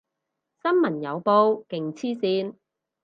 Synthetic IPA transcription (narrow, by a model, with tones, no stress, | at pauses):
sɐ˥nmɐ˨˩njɐ˨˧wpo˧wkɪ˨ŋt͡sʰiː˥siː˧n